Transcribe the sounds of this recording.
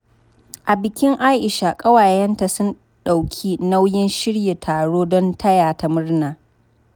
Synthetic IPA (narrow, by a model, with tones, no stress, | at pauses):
ʔa˨bɪ˨kʲɪ˦ŋʔaː˦ʔɪ˨ʃa˨kʼɐ˦waː˨jɛ˦nta˨sʊ˦n | ɗa˨wkʲʰiː˦na˦wjɪ˦nʃɪ˦ɽje˨tʰaː˨ɽoː˦dɔ˦ntʰɐ˦jaː˨ta˨mʊ˦rnaː˨